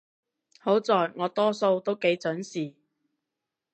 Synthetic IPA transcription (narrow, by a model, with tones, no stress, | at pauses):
ho˨˥wt͡sɔː˨jŋɔː˨˧t̪ɔː˥so˧wt̪o˥wke˨˥jt͡sɵ˨˥nsiː˨